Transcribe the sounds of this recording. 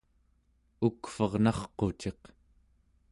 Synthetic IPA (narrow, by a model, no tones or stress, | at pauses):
ukfʌʁnɑχqo̞t͡ʃe̞q